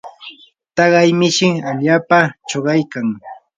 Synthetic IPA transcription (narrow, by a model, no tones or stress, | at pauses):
t̪ɑɢɑjmɪʃɪaʎaːpat͡ʃoɢɑjkaŋ